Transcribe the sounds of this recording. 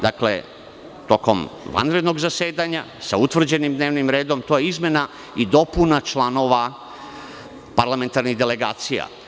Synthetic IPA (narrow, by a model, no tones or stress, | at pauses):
d̪akle̞̰ | t̪o̞ko̞mʋa̰nɾe̞d̪no̞ɡzase̞ːd̪aɲa̰saut̪ʋr̩d͡ʑe̞nimd̪ne̞ːʋnimɾe̞ːd̪o̞mt̪oːjeizmʲje̞na | id̪o̞punat͡ʃlˠano̞ʋa | paɾlˠame̞nt̪aɾniɣd̪e̞le̞ɡa̰ːt̪sija̰